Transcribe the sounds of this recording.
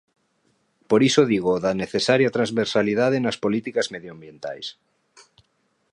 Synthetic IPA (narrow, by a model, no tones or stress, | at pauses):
poɾisoðiɣoðaneθesaɾjat̪ɾanzβeɾsaliðaðenɐspolit̪ikazmeðjoambjent̪a̰js